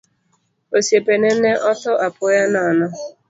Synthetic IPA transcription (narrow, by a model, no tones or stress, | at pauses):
osepenen̩neʔɔtʊʔapʊjananʊ